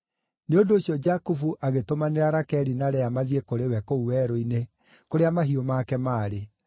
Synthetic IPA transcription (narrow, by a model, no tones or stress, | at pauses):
neondoːɕijɔd͡ʒakufuʔaɣetomaneɾaɾakɛɾinaɾɛamaðiekoɾewɛkouwɛɾoine | koɾeamaɦiomaːkɛmaːɾe